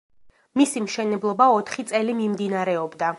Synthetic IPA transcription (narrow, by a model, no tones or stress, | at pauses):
misimʃɛnɛblˠɔbaɔt̪ʰχit̪sʼɛlimimd̪inaɾɛɔbd̪a